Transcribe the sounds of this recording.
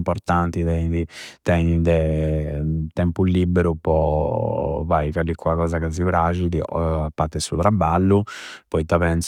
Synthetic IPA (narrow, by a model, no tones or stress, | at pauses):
mpɔɾt̪ant̪it̪ɛɲid̪it̪ɛɲid̪ɛ | t̪ɛmpulibːeɾupɔ | vajfalːikːwakɔːzakazifɾad͡ʒid̪iapːat̪ɛsut̪ɾabːalːupɔjt̪apɛns